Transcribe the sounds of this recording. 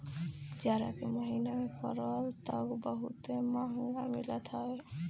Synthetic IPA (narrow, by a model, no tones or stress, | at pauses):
d͡ʒaɾakemɔɦinamekɔ̰ɾɔlt̪ɔɡbəɦṵt̪emaɦŋɡamilɔt̪ʰɔe